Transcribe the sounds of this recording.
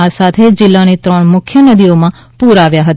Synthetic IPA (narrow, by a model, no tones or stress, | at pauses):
asat̪ʰed͡ʒɪlːanit̪ɾəɳmʊkʰjənəd̪iomã | puɾaʋjaɦət̪a